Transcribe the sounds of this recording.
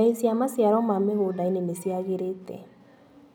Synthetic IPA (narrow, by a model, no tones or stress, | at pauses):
esiamasijaɾɔmamehodainenesiaɣeɾetɛ̰